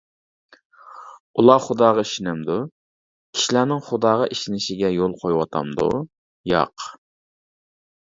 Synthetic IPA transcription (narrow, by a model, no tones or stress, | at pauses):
ulˠɑχʊd̪ɑːʁɑiʃinɛmd̪u | kʲʰi̥ʃilænɪŋχʊd̪ɑːʁɑʔiʃinɪʃɪɡʲɛjolˠqʰojwɑt̪ʰɑ̰md̪ṵ | jɑ̰q